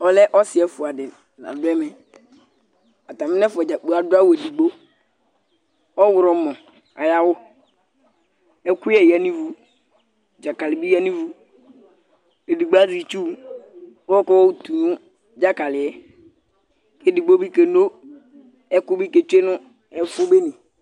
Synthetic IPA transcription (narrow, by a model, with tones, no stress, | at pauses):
ɔ˦lɛ˦ʔɔ˦sɪ˨ɛ˨˦fʊ˨a˨dɪ˨ | na̰˨dʊ˦ɛ˦mɛ˨ | a˨ta˨mɪ˦nɛ˦fʊ˨ɛ˨d͡ʒa˨k͡po˨a˨dʊ˦a˦we˨di˨ɡ͡bo˦ | ɔ˦wʊ˨ɾɔ˨˦mɔ̃˨ | a̰˨ja˦wʊ˦ | ɛ˦kʊ˦jɛ˨ja˨nĩ˦vu˨ | d͡ʒa˨ka˨lɪ˨bi˦ja˦nĩ˦vu˦ | e˨di˨ɡ͡ba˦zi˨t͡ʃu˦ | wkɔ˦wɔ˦˨tu˨nũ˦ | d͡ʒa˦ka˨lɪ˨ɛ˨ | ke˦di˨ɡ͡bo˦bi˦ke˨no˦ | ɛ˦kʊ˦bi˦ke˨t͡ʃe˦nʊ̃˦ | ɛ˨˦fo˦be˦nĩ˨